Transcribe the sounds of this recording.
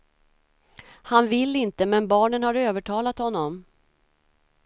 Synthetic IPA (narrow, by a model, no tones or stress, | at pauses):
hanvɪlːɪnt̪əmɛnbɑːɳənhaɾøːvəʈʰɑːlat̪hɔnːɔm